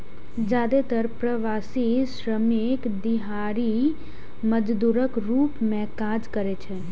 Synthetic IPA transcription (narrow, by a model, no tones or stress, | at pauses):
d͡ʒjaːd̪et̪əɾpɾəʋaːsisɾəmeːkd̪ɪɦaːɾi | məd͡ʒd̪uːɾəkɾuːpmẽkaːd͡ʒkəɾet͡ʃʰɛ